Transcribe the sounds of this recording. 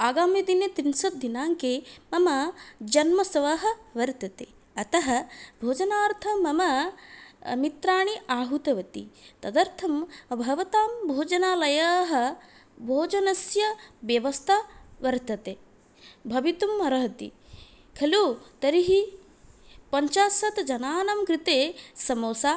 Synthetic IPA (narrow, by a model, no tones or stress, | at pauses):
aːɡaːmjɐd̪inet̪ɾinsɐd̪ʱinaːŋkeːmɐmɐd͡ʒɐnmɐsɐʋɐɦɐ̆ʋɐɾt̪ɐt̪eː | ɐt̪ɐɦɐbʱoːd͡ʒɐnaːɾt̪ʰɐmɐmɐ | mit̪ɾaːɳiʔaːɦut̪ɐʋɐt̪ḭt̪ɐd̪ɐɾt̪ʰɐmbʱɐʋɐt̪aːmbʱoːd͡ʒɐnaːlɐjaːɦɐ̆bʱoːd͡ʒɐnɐsjɐʋjɐʋɐst̪ʰaʋɐɾt̪ɐt̪eː | bʱɐʋit̪umɐɾɐɦɐt̪ḭ | kʰɐluːt̪ɐɾiɦi | pɐɲt͡ʃaːsɐt̪d͡ʒɐnaːnɐmkɾit̪eːsɐmoːsaː